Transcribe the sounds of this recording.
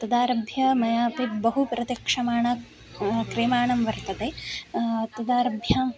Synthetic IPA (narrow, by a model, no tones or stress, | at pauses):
t̪ɐd̪aːɾɐbʱjɐmɐjaːpibɐɦupɾɐt̪jɐkʂɐmaːɳɐ | kɾeːmaːɳɐmʋɐɾt̪ɐt̪e | t̪ɐd̪aːɾɐbʱjɐ